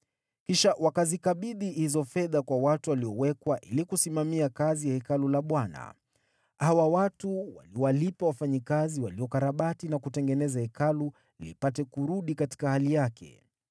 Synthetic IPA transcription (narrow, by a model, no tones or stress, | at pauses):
kiʃawakazikaɓiðihizɔfɛðakwawatuwaliɔwɛkwaʔilikusimamiakazijahɛkalulaɓwana̰ | awawatuwa̰liɔwalipawafaɲikaziwaliɔkaɾaɓatinakutɛŋɡɛnɛzahɛkalu | lḭpatɛkuɾuɗikati̥kahalijakʰɛ̰